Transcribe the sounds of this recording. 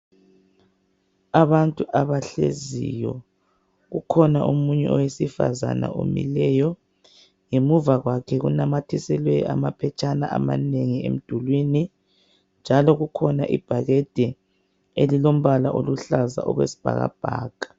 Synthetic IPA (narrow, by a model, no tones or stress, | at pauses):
aβantʼuʔaβaɬḛzḭjɔ | ɣukʰɔnaʔumuɲɛ̰ʔɔwesifa̰za̰na̰ʔo̰mḭlɛjɔ | ŋemuvaɣwakʰɛɣṵnamatʰisɛlwɛa̰mapʰɛt͡ʃʼanaʔamaneŋiḛm̩d̥ʱulwini | nd͡ʒʱalɔɣukʰɔnaʔib̥ʱaɣɛd̥ʱɛ | elilom̩βalaʔoluɬaza̰ʔɔɣwḛsi̥b̥ʱa̰ɣa̰b̥ʱa̰ːɡ̥ʱḁ